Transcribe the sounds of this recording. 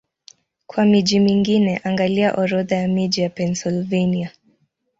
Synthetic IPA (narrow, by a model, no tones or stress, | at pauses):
kwamiʄimiŋɡinɛʔaŋɡaliaʔɔɾɔðajamiʄijapɛnsilvenia